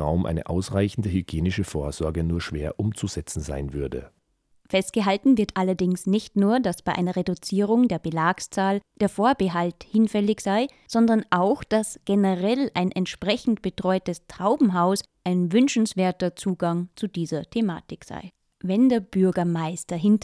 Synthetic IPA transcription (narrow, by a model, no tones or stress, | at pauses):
a̰ʊmʔa̰ɪnə̰ʔa̰ʊsʁaɪçn̩dəɦyɡ̥jeːnɪʃəfoːɐzɔɐɡənuːɐʃv̥eːɐʔʊmt͡suzɛt͡sn̩za̰ɪnvʏɐdə̰ | fɛst̚ɡ̥əɦaltn̩vɪɐtʔalɐdɪŋsnɪçtnuːɐdasb̥aɪʔa̰ɪnɐʁedut͡siːʁ̞ʊŋdeːɐbəlaːkst͡saːld̥eːɐfoːɐbəɦalthɪnfɛlɪçz̥aɪ | z̥ɔndɐnʔaʊxd̥asɡ̥enəʁɛlaɪnʔɛntʃpʁ̥ɛçn̩tb̥ətʁ̥ɔʏtəstʁ̥aʊbm̩ɦaʊs | ʔaɪnvʏnʃn̩sv̥eːɐtɐt͡suːɡaŋt͡sudiːzɐtʰema̰ːtɪkz̥a̰ɪ | vɛndeːɐb̥ʏɐɡɐmaɪstɐɦɪnt